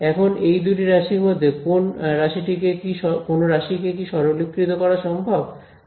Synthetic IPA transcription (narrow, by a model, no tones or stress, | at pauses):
ɛkʰonejd̪uʈiɾaʃiɾmod̪ʱːekonɾaʃiʈikekiʃɔkonoɾaʃikekiʃɔɾolikːɾit̪okɔɾaʃɔmbʱab